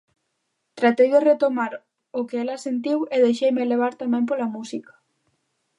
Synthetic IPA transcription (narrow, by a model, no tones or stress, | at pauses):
t̪ɾat̪ejðeret̪omaɾ | ʊkeɛlɐsent̪iweðejʃejmeleβ̞aɾt̪amɛ̃mp̬olamusikḁ